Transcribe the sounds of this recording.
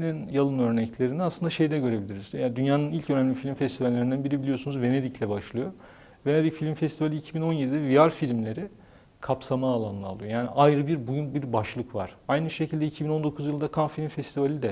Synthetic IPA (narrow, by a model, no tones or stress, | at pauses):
ninjalˠɯnøɾnɛclʲe̞ɾind̪ɛasˠɯnd̪aʃe̞jd̪ɛɟø̞ɾe̞bilʲiɾizjad̪ynjaːnɯnilʲcønæmlʲifilʲimfɛst̪ivalʲːe̞ɾind̪ænbiɾibilʲijosunuzve̞ne̞d̪iclʲɛbaʃlˠɯjo̞ | vene̞d̪icfilʲmfɛst̪ʰivalʲiːcʰibino̞njed̪id̪ɛviaɾfilʲmlʲe̞ɾi | kʰapsamaːlˠanlˠɯ̰ːlˠɯjojaːniʔajɾɯbiɾbujunbiɾbaʃlˠɯkva̰ɾ̥ajnɯʃe̞cʰilʲd̪ɛicʰibino̞nd̪o̞kʰuzjɯlˠd̪akʰanfilʲmfɛst̪ʰivalʲid̪ɛ